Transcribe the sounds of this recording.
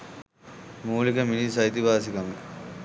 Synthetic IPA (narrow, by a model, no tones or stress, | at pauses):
muːlikəminisɐjit̪iʋaːsikaŋk